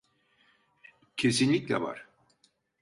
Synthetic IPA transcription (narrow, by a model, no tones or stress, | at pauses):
cʰesinlʲicʲlʲɛ̰va̰ɾ̥